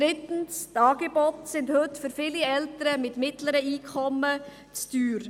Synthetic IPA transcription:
ɾɪtn̩stɑːɡ̥ebɔtsɪndhɵtfʏɾfɪːliɛltəɾəmɪtmɪtləɾəiːkʰɔmːə | t͡styːɾ

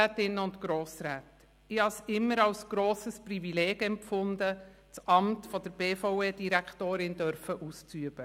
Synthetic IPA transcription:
æːtɪnəʊntɡ̥ɾoːsɾæːt | ɪhɑsɪmːəɾɑwsɡ̥ɾoːsəsprivilɛːɡ̥ɛmpfʊnd̪ə | t͡sɑmtfɔd̥̪əɾb̥eːfɔweːdiɾækʰtoːɾɪnd̥œɾfəʔust͡syəb̥ə

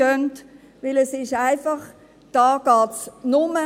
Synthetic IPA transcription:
œnt | ʋɪlɛsɪʃaɪfɑχ | d̥ɑːɡ̥ɑːtsnʊmə

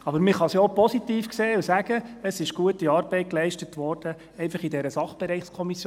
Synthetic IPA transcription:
ɑbəɾmɪχɑsjopɔsit̪iːfkseːusæɡ̥əəsɪʃɡ̥uətːiɑːɾbɛɪt̚klɛɪʃtətʋɔrd̥ə | ɛɪnfɑχidɛɾəsɑχb̥ɛɾɛɪχskʰɔmis

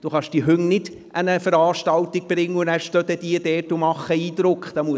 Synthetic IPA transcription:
d̥uχɑʃd̥iəɦʏŋnɪd̥ | ʔənəfəɾɑːʃtɑwt̪ɪɡ̚b̥ɾɪŋːəʊnæɾʃtœd̪ɛd̥̪iəd̥ɛːtʊmɑχəiːd̪ɾʊkχd̥̪ɑmuə

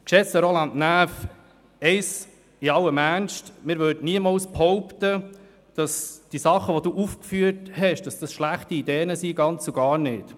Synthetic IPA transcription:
kʃɛsəɾolɑntnæːf | ɛɪs | iɑwəmænʃtmɪːɾʋøːdniəmɑlsphɔʊptə | d̥ɑsd̥isɑχəʋoduːʔufkfyːəthɛʃd̥ɑsd̥ɑsʃlæχtiidɛːənəsiɡɑnt͡suɡɑːɾnɪːt

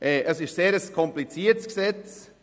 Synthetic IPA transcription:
ʔɛːʔəsɪʃseːɾəskʰɔmplit͡siːətsksɛt͡s

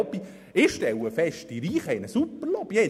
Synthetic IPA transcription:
bi | ɪʃtɛwəfɛʃt̚d̥iɾiːχəɪnəsupːəɾlɔbje

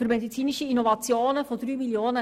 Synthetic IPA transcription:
yrmedit͡siːnɪʃəinovat͡sjoːnəfodryːmiljoːnə

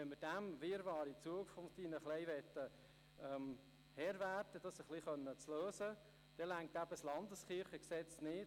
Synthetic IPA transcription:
ɛnməɾd̥æmʋɪːɾvɑːɾit͡suəkfɔmdinəχlɛɪʋɛt̪ːə | ɛm | hɛɾvæt̪əd̥ɑsəχliχœnːət͡sløːsə | d̥ɛlæŋk̚tæbəslɑnd̪əskɪɾχəksɛt͡snɪ

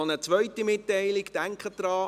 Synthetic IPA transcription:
onət͡sʋœʏtimɪtːɛɪlɪɡd̥æŋkχəd̥ɾɑː

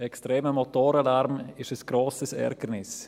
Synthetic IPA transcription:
ɛkstɾeːməmot̪oːɾalaɾmɪʃəsɡ̥ɾoːsəsɛ̰ɾkəɾnɪs

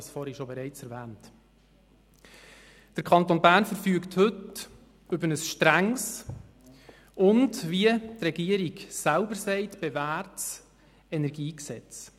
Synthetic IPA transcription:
sfɔɾiʃobɛɾɛɪt͡sɛɾvæːnt | d̥əɾkʰɑnt̪onbæːɾnfəɾfyːkthɵt | ɵbənəsʃtɾæŋs | ʊndviətrɛɡiəɾiɡsælbəsɛɪtb̥ɛvæːɾts | ɛnɛɾɡiːksɛt͡s

